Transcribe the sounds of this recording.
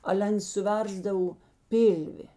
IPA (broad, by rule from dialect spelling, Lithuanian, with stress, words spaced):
ˈɑːlʲɛ ˈɐns sʊˈʋʲɛrzdɐw ˈpʲɪlʲʋʲɪ